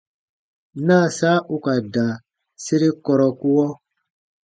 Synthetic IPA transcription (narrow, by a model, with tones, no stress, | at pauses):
na˦˨saː˦ʔu˦ka˨da˨ | se˦ɾi˦kɔ˨ɾɔ˨ku˦wɔ˦